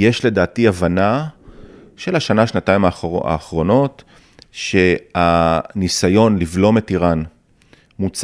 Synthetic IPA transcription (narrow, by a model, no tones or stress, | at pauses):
jeʃle̞daːtiavana | ʃelaʃanaʃnataimaa̰ːχʁo̞no̞t | ʃe̞anisajo̞nlivlo̞metiʁan | mut͡s